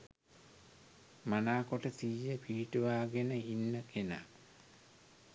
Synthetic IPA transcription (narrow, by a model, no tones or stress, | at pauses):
manaːkoʈət̪ijːəpiːʈuʋaːɡenəinːəkena̰